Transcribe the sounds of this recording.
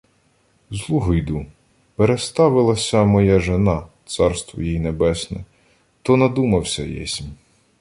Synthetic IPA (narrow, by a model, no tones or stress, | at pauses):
zlˠuɦɔjd̪u | peɾest̪ɑʋɪlˠɐsʲɐmɔjaʒenɑt̪sɑrst̪ʋɔ̰jijinebɛsnɛ̰ | t̪ɔnɐd̪umɐwsʲɐjɛ̰sʲimʲ